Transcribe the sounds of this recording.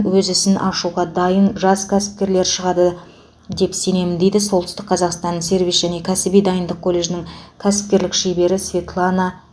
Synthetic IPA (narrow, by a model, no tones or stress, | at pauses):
wɵzɪsɪnʔɑʃuʁɑd̪ɑjənʒɑskʲʰæsɪ̥p̚kʲe̞ɾle̞ɾʃəʁɑd̪ə | d̪e̞pse̞ne̞mɪnd̪e̞jd̪ɪso̞lˠt̪ə̥ʏst̪ɪk̚qʰɑzɑqst̪ɑnːəse̞ɾvʲijsʒæne̞kʲʰæsɪbijd̪ɑjənd̪əq̚kʰːo̞lʲːe̞ʒɪnɪŋkʲʰæsɪ̥p̚kʲe̞ɾlɪkʃejbe̞ɾɪsvʲe̞t̪lˠɑnɑ